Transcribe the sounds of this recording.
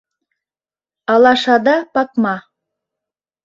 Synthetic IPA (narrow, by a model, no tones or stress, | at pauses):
ɑlˠɑʃɑd̪ɑpɑk̚mɑ